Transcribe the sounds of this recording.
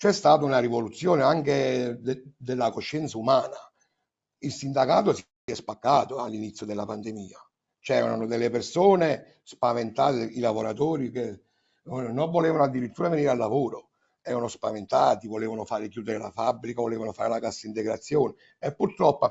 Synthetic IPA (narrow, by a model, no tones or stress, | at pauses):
t͡ʃɛst̪aːt̪aunarivolut̪sːjoːneaŋke | d̪elːakoʃːɛnt̪saumaːna | ilsind̪akaːt̪os | ɛspakːaːt̪oalːinit̪sːjod̪elːapand̪emiːa | t͡ʃɛːɾananod̪elːepersoːne | spavent̪a̰ːt̪ilavoɾat̪oːɾike | noɱvoleːvanoad̪ːiɾit̪ːuːɾaveniːɾalːavoːɾo | ɛːɾanospavent̪aːt̪ivoleːvanofaːɾik̬juːd̪eɾela̰fabːɾikavoleːvanofaːɾelakasːaint̪eɡɾat̪sːjoːneː | pːurt̪ɾɔpːa